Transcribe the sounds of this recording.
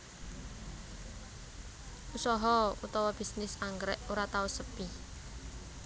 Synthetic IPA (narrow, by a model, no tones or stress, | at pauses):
ʔusɔɦɔṵt̪ɔwɔb̥isnɪsaŋɡɾɛ̰ʔoɾat̪ausəpi